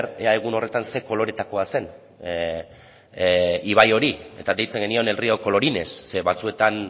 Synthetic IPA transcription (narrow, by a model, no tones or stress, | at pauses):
ɾeaeɣ̞uno̞re̞t̪anse̞ko̞lo̞ɾe̞t̪ako̞ase̞n | iβ̞ajo̞ɾie̞̰t̪ade̞jt͡se̞ŋɡe̞nio̞ne̞lrio̞ko̞lo̞ɾine̞sːeβat͡sue̞t̪an